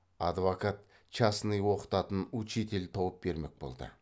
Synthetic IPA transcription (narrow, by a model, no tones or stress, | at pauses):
ɑd̪vokat̪ | t͡ʃɑsnɨjwo̞qə̥t̪ɑt̪ənut͡ʃet̪e̞lt̪ʰowəp̚be̞ɾme̞k̚bo̞̰lˠd̪ə̰